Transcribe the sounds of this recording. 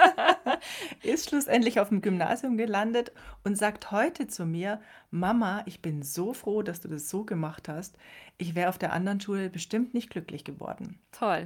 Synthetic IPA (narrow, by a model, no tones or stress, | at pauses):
ʔɪstʃlʊsʔɛntlɪçaʊfɪmɡʏmna̰ːzjʊmɡəlandətʔʊntz̥aːkthɔʏtʰət͡sumiːɐ | mamaʔɪçb̥ɪnzoːfʁ̥oːdasd̥uːdasz̥oːɡəmaχthastʔɪçv̥ɛːʁəaʊfd̥eːɐʔa̰ndɐʁənʃuːləbəʃtɪmtnɪçt̚ɡ̥lʏklɪçɡ̥əvɔ̰ɐdn̩tʰɔl